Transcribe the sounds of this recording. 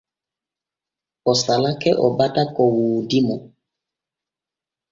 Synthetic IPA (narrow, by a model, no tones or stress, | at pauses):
ɔsalakɛʔɔbatakɔwuːdimɔ